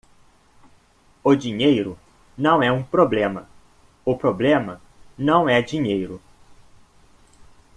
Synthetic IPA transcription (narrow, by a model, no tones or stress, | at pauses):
ʊd͡ʒiɲejɾʊ | nɐ̃w̃ɛũpɾoblẽmɐ | ʊpɾoblẽmɐ | nɐ̃w̃ɛd͡ʒiɲejɾʊ